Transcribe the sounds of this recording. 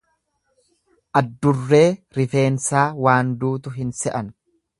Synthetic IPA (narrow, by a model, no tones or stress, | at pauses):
ʔɐd̪ːʊrːe̞ːɾɪfe̞ːnsaːwaːnd̪uːt̪ʊɦɪnsɛʔɐn